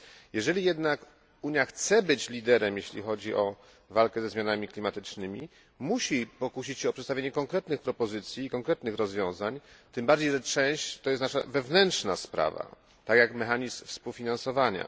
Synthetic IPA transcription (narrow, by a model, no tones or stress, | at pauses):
jɛʐɛlʲijɛd̪nak | uɲjaxt̪sɛbɘt͡ɕlʲid̪ɛɾɛmjeɕlʲḭxɔd͡ʑiʔɔ | valkɛzɛzmʲjanamʲiklʲimat̪ɘt͡ʂnɘmʲi | muɕipɔkuɕit͡ɕɕɛɔpʂɛt̪st̪avʲjeɲɛkɔŋkɾɛt̪nɘxpɾɔpɔzɘt̪sʲjiːkɔŋkɾɛt̪nɘxɾɔzvʲjɔ̃w̃zaɲt̪ɘmbaɾd͡ʑejʐɛt͡ʂɛ̃ɕt͡ɕt̪ɔjɛst̪naʂa̰vɛvnɛntʂnaspɾa̰va̰ | t̪akjakmɛxaɲismfspuwfʲinãnsɔvaɲa̰